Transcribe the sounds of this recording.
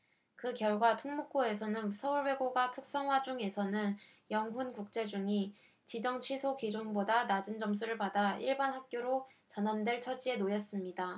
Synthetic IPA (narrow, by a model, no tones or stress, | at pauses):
kɯkjʌɭɡwatʰɯŋmuk̚k͈oe̞sʰʌnɯnsʰʌuɭwe̞ɡoɡatʰɯk̚s͈ʌŋɦwad͡ʑuŋe̞sʰʌnɯn | jʌŋɦunkuk̚t͡ɕ͈e̞d͡ʑuŋi | t͡ɕid͡ʑʌŋt͡ɕʰɥisʰokid͡ʑoŋbodanad͡ʑɯnd͡ʑʌmsʰuɾɯɭpadaiɭbanɦak̚k͈joɾo | t͡ɕʌnɦandwe̞ɭt͡ɕʰʌd͡ʑie̞nojʌs͈ɯmɲida